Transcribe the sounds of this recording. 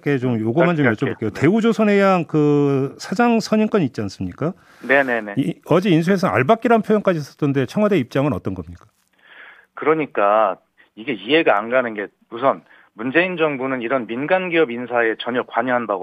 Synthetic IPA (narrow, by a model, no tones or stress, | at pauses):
ke̞t͡ɕomjoɡʌmant͡ɕomjʌt͡ɕ͈obboɭk͈ejote̞ud͡ʑosʰʌne̞jaŋkɯsʰad͡ʑaŋsʰʌɲiŋk͈ʌɲit̚t͡ɕ͈ians͈ɯmɲik͈a | ne̞ne̞neʌd͡ʑiins̬ʰue̞s̬ʰʌna̰ɭbak͈iɾanpʰjojʌŋk͈ad͡ʑiːs͈ʌ̥t͈ʰʌnde̞t͡ɕʰʌŋɦwadeip̚t͡ɕ͈aŋɯnʌt͈ʌnɡʌmɲik͈ḁ | kɯɾʌɲik͈a | iɡe̞ie̞ɡaanɡanɯnɡe̞ | musʰʌn | mund͡ʑe̞ind͡ʑʌŋbunɯniɾʌnminɡanɡiʌbinsʰae̞t͡ɕʌɲʌkwaɲʌɦanbaɡo